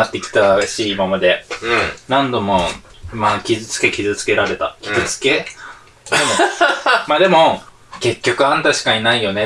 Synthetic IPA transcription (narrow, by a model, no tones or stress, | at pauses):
at̪ːe̞kʲi̥t̪aɕiːmamad̪e̞ | nãnd̪o̞mo̞ | maːkʲizɨt͡sɨ̥ke̞kʲizɨt͡sɨ̥ke̞ɾaɾe̞t̪akʲi̥zɨt͡sɨ̥ke̞ | d̪emomaːd̪e̞mo̞ | ke̞kʲːo̞kɯ̟ãnt̪aɕi̥kaɲinaijo̞ne̞